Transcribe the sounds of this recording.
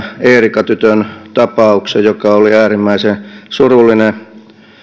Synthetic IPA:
eːrikɑt̪yt̪ønt̪ɑpɑuksejjokɑoliæːrimːæisesurulːine

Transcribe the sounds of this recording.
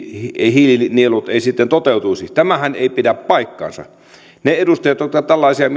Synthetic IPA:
eihililinielut̪eˑisit̪ːent̪ot̪eˑut̪uisit̪æmæhænḛˑipidæppɑikːɑ̰ːnsɑ̰ | needust̪ɑjɑt̪jot̪kɑt̪ælːɑˑisiɑm

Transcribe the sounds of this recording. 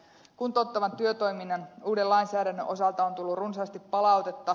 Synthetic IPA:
kunt̪ot̪ːɑʋɑnt̪yøt̪o̞jminːɑnuːdelɑinsæːɾænːøʔo̞sɑlt̪ɑont̪ulːurunsɑst̪ipːɑlɑwt̪e̞t̪ːɑ

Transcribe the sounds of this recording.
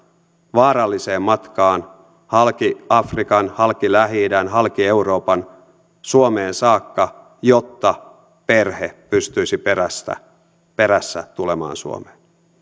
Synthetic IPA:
ʋɑːɾɑlːise̞ːmmːɑt̪kɑːn | hɑlkiɑfrikɑnhɑlkilæɦiːdænɦɑlkie̞uɾo̞ːpɑn | suome̞ːnsɑːkːɑ | jo̞t̪ːɑ | pe̞rhepyst̪yisipeɾæst̪æ̰ | pe̞ɾæsːæ̰t̪ulemɑ̰ːnsṵo̰me̥ːn

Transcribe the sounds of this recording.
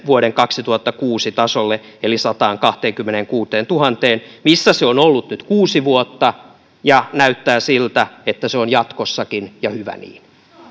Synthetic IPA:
ʋuoɾeŋkɑksit̪uhɑt̪ːɑkuːsit̪ɑsolːe | elisɑt̪ɑːŋkɑht̪eːŋkymːeneŋkuːt̪eːnt̪uhɑnt̪eːnmisːæseonolːut̪nyt̪kuːsiʋuot̪ːɑ | jɑnæyt̪ːæːsilt̪æet̪ːæseonjɑt̪kosːɑkinjɑhyʋæ̰nḭːn

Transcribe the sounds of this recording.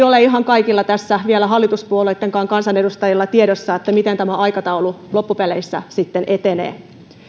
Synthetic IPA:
oleiɦɑŋkɑikilːɑt̪æsːæʋielæɦɑlːit̪uspuolet̪ːeŋkɑːŋkɑnsɑnedust̪ɑjilːɑt̪ieɾosːɑet̪ːæmit̪ent̪æmæɑikɑt̪ɑululopːupeleisːæ̰sit̪ːenʔet̪enḛː

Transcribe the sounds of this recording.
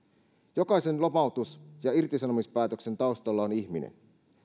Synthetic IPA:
jo̞kɑise̞nlo̞pɑwt̪usjɑirt̪isɑnomispæːt̪ø̞kse̞nt̪ɑust̪ɑlːɑoniçminḛn

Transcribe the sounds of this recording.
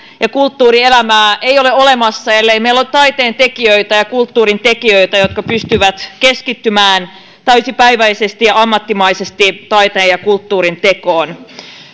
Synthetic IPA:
jɑkult̪ːuːrielæmæːeioleolemɑsːɑelːeimeilːot̪ɑit̪eːnt̪ekiøit̪æjɑkult̪ːuːrint̪ekiøit̪æjot̪kɑpyst̪yʋæt̪keskit̪ːymæːn | t̪æysipæiʋæisest̪ijɑɑmːɑt̪ːimɑisest̪it̪ɑit̪eːjɑkult̪ːuːɾint̪ekoːn

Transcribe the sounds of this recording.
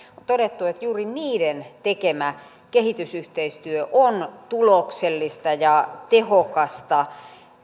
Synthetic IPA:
ot̪oɾet̪ːuet̪juːriniːdent̪ekemæ | kehit̪ysyht̪eist̪yøʔont̪ulokselːist̪ɑjɑt̪ehokɑst̪ɑ

